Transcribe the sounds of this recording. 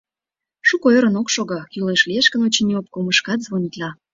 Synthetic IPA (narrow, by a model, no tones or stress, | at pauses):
ʃukoeɾə̆nokʃoɣɑkyleʃlieʃkənot͡ɕənʲiop̚koməʃkɑt̪zβonʲit̪lɑ